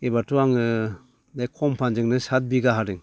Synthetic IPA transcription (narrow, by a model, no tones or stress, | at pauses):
ebatuaŋɯ | najkʰɔmpʰand͡ʒɯŋnɯsat̚biɡaɦaɾɯŋ